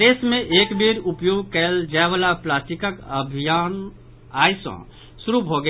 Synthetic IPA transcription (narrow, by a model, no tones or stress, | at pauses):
eːsmẽʔeːkbiɾupjoːɡkəld͡ʒaeʋalaplaːstikəkəbʱijaːn | aːjsɔ̰̃ | suɾubʱoɡə